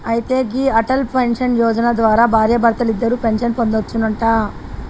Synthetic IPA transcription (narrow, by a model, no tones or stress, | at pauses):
ɐjit̪e̞ːɡiːɐʈɐlpenʂɐnjɔːd͡ʒɐnad̪ʋaːɾaːbʱaːɾjɐbʱɐɾɐt̪ɐlid̪ːɐɾuːpe̞nʂɐnpo̞nd̪ot͡ʃːunɐɳʈaː